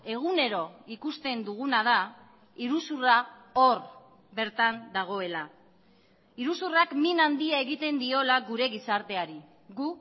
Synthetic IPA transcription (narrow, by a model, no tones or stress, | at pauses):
e̞ɣ̞une̞ɾo̞ikust̪e̞nd̪uɣ̞unað̞a | iɾusurao̞ɾ | be̞ɾt̪and̪aɣ̞o̞e̞la | iɾusurakminand̪iae̞ɣit̪e̞nd̪io̞laɡuɾe̞ɣisaɾt̪e̞aɾi | ɣu